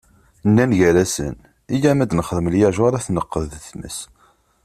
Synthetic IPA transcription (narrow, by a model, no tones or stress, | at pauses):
nːænʝæɾæsə̰n | ijæmæd̪nəχəðəməljaʒɑɾˤæθnəqːəðθmə̰s